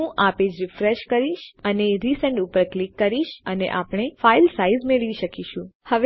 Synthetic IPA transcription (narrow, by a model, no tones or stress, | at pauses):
ũʔaped͡ʒɾɪfɾeʃkəɾiʃəneɾisɛ̃ɳɖupəɾklikːəɾiʃənḛʔapɽ̃efailsaizmeɭʋiʃəkiʃũhəʋ